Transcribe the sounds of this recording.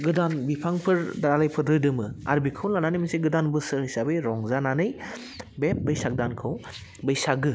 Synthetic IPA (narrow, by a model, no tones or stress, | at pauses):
ɡɯdanbipʰaŋpʰɯɾdaɾalajpʰɯdɾɯdɯmɯa̰ɾbikʰɯwlnananɯjmɐseɡɯdanbɯsɯhɯjsabɯjɾɔŋzananɯj | bep̚bɯjsak̚dankʰɯw | bɯjsaɡɯ